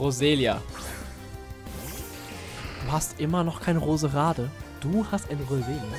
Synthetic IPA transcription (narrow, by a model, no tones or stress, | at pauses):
ʁozeːlja | d̥uːhastʔɪmɐnɔχkʰaɪnəʁoːzəʁaːdəd̥uːhastaɪnʁozeːla